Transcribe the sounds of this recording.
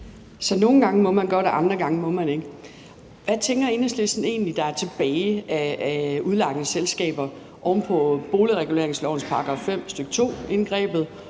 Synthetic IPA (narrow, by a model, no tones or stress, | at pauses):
sɒ̽no̝ːn̩ɡ̥ɑ̈ŋəmɒ̽mænɡ̥ɒɾeʔɑ̈nd̥ʁɐɡ̥ɑ̈ŋəmɔ̽mæneɡ̥ | ʋæt͡sʰeŋɡ̥ɐe̝ːnɐsd̥lesn̩e̝̰ːnlid̥ɑ̈æɐt͡sʰe̝b̥ɛːɪæuð̞ˠlɑ̈ɡ̥ənəselsɡ̥ɛ̰ːb̥ɐ | ʔɒʊnpʰɒ̽b̥o̝ːliʁɛɡ̥ule̝ɐeŋslɒʊ̰n̩spʰɑ̈ɡ̥ʁɑ̈fem̰sd̥øɡ̥ə̥t͡sʰo̝̰ːe̝nɡ̥ʁɛ̰ːb̥ð̞̩ˠ